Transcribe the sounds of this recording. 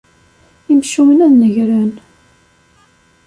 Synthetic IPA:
imʃiwənæðnəʝɾæn

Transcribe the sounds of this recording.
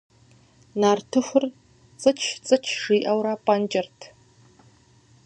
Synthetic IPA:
naːrtʰɨxʷʊr | t͡sʼɨt͡ʃʰt͡sʼɨt͡ʃʰʂiːʔɐwɾaːpʼand͡ʒɐrtʰ

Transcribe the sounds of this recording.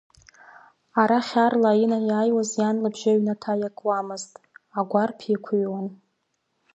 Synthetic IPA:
aɾaχʲarlainajaːjwazjanlabʒaɥnatʰajakʼwamɨztʼaɡʷarpʰikʷʰuɥwan

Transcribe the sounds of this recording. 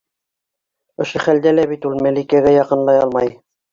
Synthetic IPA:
ŏʃoχæld̪ælæβit̪ulˠmælʲikiæɡæjɑqɤ̆nlˠɑjɑlˠmɑj

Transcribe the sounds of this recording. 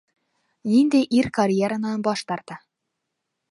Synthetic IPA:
nind̪ejʔiɾkɐɾʲjeɾanɑnbɒʃt̪ɑɾt̪ɤ

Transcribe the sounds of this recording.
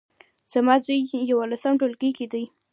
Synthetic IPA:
z̥amɑzujjawalasəmʈolɡəjkid̪əj

